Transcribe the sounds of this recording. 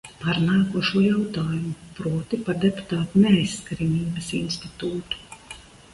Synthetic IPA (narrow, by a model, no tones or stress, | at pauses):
paɾnaːkuɔʃuɔjawt̪aːjumupɾuɔt̪ipad̪ʲɛpu̥t̪aːt̪nʲɛjsːkɾimʲiːbɐsinsʲt̪it̪uːt̪u̥